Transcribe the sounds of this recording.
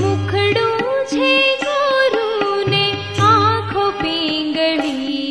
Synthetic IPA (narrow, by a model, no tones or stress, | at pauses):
mũkʰɽũt͡ʃʰeɡoɾũne | ãkʰopiŋɡəɭi